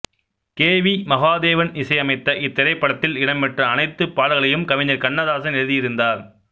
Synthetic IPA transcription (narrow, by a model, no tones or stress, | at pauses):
keːʋimɐɣaːd̪eːʋɐnɪsɐɪɐmɐɪt̪ːɐʔɪt̪ːɪɾɐɪpːɐɽɐt̪ːɪlɪɽɐmpɐʈrɐːnɐɪt̪ːɯpːaːlɣɐɭɐjɯmkɐʋɪɲɐɾkɐɳːɐðaːsɐnɛɻɯðɪjɪɾɯnd̪aːɾ